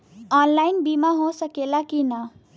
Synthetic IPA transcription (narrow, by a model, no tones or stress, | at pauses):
ʌnlajnbimaɦõsʌkelakinʌ